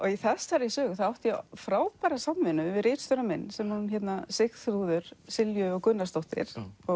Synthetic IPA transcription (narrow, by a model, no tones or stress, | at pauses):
ɔɣiθɛst̪aɾɪsœːɣθaðawht̪jɛfɾaːwpaːɾasamvɪnʏvɪrɪːt̪st̪œɾamɛnːsɛmunnçɛt̪nasɪxt̪ɾuːðʏɾ̥sɪljʏɔɣkʏnːast̪owht̪ɪ̰ɾ̥ɔ